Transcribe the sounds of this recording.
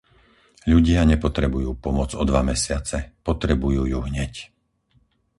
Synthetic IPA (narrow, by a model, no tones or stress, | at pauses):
ʎuɟɪaɲɛpɔt̪ɾɛbujuːpɔmʊɔd͡zɔd̪ʋamɛsɪat͡sɛpɔt̪ɾɛbujuːjuːɦɲɛc